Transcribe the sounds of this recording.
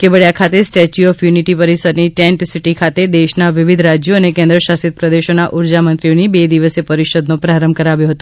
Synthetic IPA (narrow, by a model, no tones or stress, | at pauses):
kebəɭjakʰat̪esʈet͡ʃuɔfjuniʈipəɾisəɾniʈeɳʈsiʈikʰat̪ed̪eʃnaʋɪʋid̪ʱɾad͡ʒjoənekɛ̃nd̪ɾəʃasit̪̚pɾəd̪eʃonaʔuɾd͡ʒamənt̪ɾionibed̪iʋəsepəɾiʃod̪nõpɾaɾəmbʱkəɾaʋjõɦət̪õ